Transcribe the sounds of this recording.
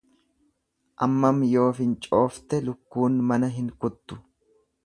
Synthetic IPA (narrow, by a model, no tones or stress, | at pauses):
ʔɐmːɐmjo̞ːfɪnt͡ʃʼo̞ːft̪ɛlʊkːuːnmɐnɐɦɪŋkʊt̪ːʊ̥